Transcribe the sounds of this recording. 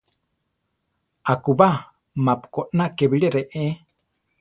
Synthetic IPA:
akuβa | mapu̥konakeβiɺeɾeʔe

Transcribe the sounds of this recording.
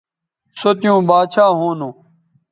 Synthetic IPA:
sot̪jũːbaːt͡ɕʰaːɦoːnõː

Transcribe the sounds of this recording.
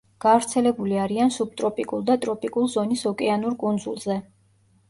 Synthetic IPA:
ɡ̥avɾt̪sʰɛlɛbuliaɾiansub̚t̪ʼɾɔpʼikʼulˠd̪at̪ʼɾɔpʼikʼulˠzɔnisɔkʼɛanuɾkʼund̪zulˠzɛ

